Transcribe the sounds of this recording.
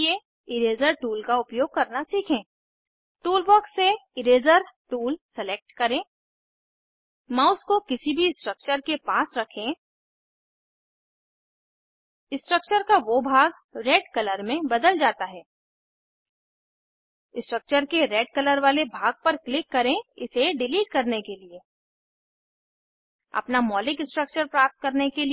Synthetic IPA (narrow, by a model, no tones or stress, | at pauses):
je | ɪɾeːzəɾʈuːlkaʊpjoːɡ̚kɐɾnasiːkʰẽː | ʈuːlbɔːkseɪɾeːzəɾʈuːlseleːk̚ʈkɐɾẽː | mãʊʊskokɪsibʱisʈɾək̚t͡ʃəɾkepaːsɾɐkʰẽ | ɪsʈɾək̚t͡ʃəɾkaʋobʱaːɡ | ɾeːɖkɐləɾmẽbɐd̪əld͡ʒaːt̪aɦɛː | ɪsʈɾək̚t͡ʃəɾkeɾeːɖkɐləɾʋaːlebʱaːɡ̚pɐɾklɪkːɐɾẽɪseɖɪliːʈ̚kɐɾnekelie | ɐ̰pnamɔːlɪksʈɾək̚t͡ʃəɾpɾaːp̚t̪̚kɐɾnekeli